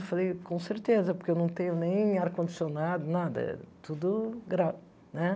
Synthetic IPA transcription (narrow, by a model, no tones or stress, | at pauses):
fɐlˠejkõsɨɾt̪ezɐpuɾkewnɐ̃w̃t̪ẽɲunẽj̃aɾkõnd̪isjonad̪unaðɐ̰t̪ud̪uɡɾav | nɛ